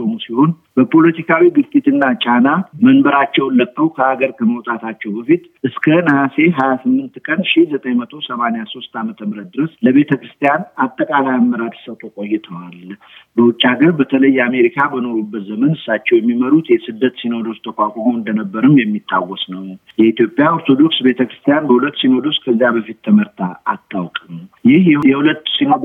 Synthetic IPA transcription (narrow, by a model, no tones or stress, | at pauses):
omusiho̞n | bəpʰo̞lət̪ʰikʰawiɡɨɾt͡ʃ̪ʼit̪ɨnːat͡ʃʼanamənbəɾat͡ʃːɛwnlːəkʼːəwkʰəaɡəɾkʰəməwt̪ʼat̪ʰat͡ʃːɛwbəfit̪ʔɨskʰənəhase̞ɦajasɨmːɨnt̪kʼənʃihzət̪ʼəjmət̪ʰo̞səmanejaso̞st̪amət̪ʰəmɨɾət̪̚d̪ɨɾəsləβe̞t̪ʰəkɾɨst̪ʰijanat̪ʼːəkʼalajamːəɾad̪səwt̪ʰʼo̞kʼo̞jːɛt̪ʰəwal | bəwʊt͡ʃʼːaɡəɾbət̪ʰələjːɛame̞ɾikʰabəno̞ɾubːət̪zəmənɨsːat͡ʃːɛwjɛmːiməɾut̪jɛsɨd̪ːət̪sino̞d̪o̞st̪ʰəkʷakʷʼomoɨnd̪ənəbːəɾɨmjɛmːit̪ʰʼːawɔsnəwjɛit̪ʰjo̞pʼjao̞ɾt̪ʰo̞d̪o̞ksbe̞t̪ʰəkɾɨ̥st̪ʰijanbəhulət̪ːsino̞d̪o̞skʰəzːjabəfit̪ːʰəməɾt̪ʰa̰ːt̪ʰːawkʼɨmjɪhɛhulət̪ːsino